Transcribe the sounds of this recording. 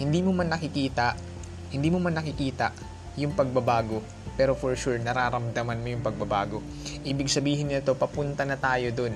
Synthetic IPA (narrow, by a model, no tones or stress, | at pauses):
hɪnd̪iːmomɐnːɐkɪkiːt̪ɐʔ | hɪnd̪iːmomanːɐkɪkiːt̪ɐ̰ʔ | jʊŋpɐɡ̚bɐbaːɡo̞ | pɛːɾofoɹʃuɹnɐɾaːɾɐmd̪ɐmɐnmo̞jʊŋpɐɡ̚bɐbaːɡo̞ | ʔiːbɪɡ̚sɐbiːɦɪnɪɐt̪o̞pɐpʊnt̪ɐnɐt̪aːjo̞d̪on